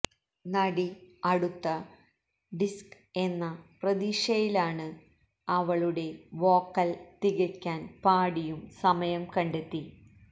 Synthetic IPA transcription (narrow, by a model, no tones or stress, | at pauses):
nɐɽiɐɽut̪ːɐ | ɖisk | e̞nːɐprɐd̪iːʂɐjilaːɳɨ | ɐʋɐɭuɽe̞ʋo̞ːkːɐlt̪iɣɐkʲːaːnpaːɽijumsɐmɐjɐmkɐɳɖe̞t̪ːi